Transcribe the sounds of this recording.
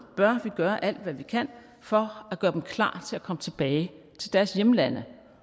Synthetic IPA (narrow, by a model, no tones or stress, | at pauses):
b̥ɶɐʋiɡ̥ɶːɐʔæl̰d̥ʋæʋikʰæn̰ | fɒ̽æɡ̥ɶːɐd̥emkʰlɑ̰̈ːt͡sʰe̝lækʰɒ̽mət͡sʰe̝b̥ɛːɪ | t͡sʰe̝ld̥æɐsjeməlænə